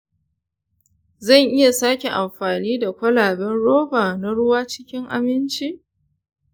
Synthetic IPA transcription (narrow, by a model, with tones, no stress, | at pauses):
zɐ˦˨ŋʔɪ˦ja˨saː˦kʲe˨ʔa˨mɸaː˨niː˦da˨kʷɐ˦laː˨bɛ˦nɽoː˦baː˨na˦ɽʊ˦waː˦t͡ʃɪ˦kʲɪ˦ŋʔa̰˨mɪ˦nt͡ʃiː˦ʔ